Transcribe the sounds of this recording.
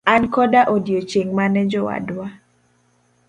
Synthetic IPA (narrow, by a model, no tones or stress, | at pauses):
ankɔdaʔodjot͡ʃeŋmanɛd͡ʒɔwa̰dwa